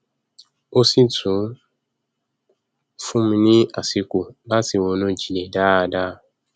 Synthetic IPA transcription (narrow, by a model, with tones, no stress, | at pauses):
o˦si˦tũ˨˦ | fũ˦m̩˦nĩ˦a˨si˧ku˨ba˦ti˨wo˨˦nõ˦˨d͡ʒi˨le˨daː˦˧˨da˦˨